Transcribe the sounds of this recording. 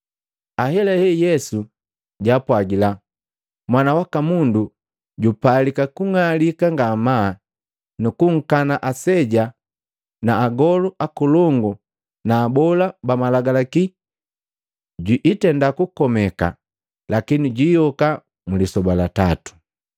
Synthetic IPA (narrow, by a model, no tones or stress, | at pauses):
aɦɛlɛhɛjɛsu | ɟapwaɡila | mwanawakamundu | ɟupalikakuŋalikaŋɡamaː | nukuŋ̩kanaʔasɛɟa | naːɡɔluʔakulɔŋɡu | naːbɔlabamalaɡalaki | ɟwiʔːtɛndakukɔmɛka̰ | lakiniɟijɔka | mulisɔbalatatu̥